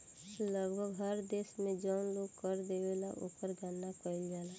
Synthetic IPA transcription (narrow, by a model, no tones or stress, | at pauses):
ləɡbʱəɡɦəɾd̪eːsmẽd͡ʒɔnloɡkəɾd̪eʋela̰ʔo̰ːkəɾɡʱənːakəɪld͡ʒaːla